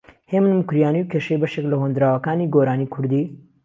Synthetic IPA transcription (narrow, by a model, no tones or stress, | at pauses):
heːmɨnmukɾijaːniwkʲʰeʃejbɐʃeklɐɦond̪ɾaːwɐkaːniːɡoːɾaːniːkʰʊɾd̪iː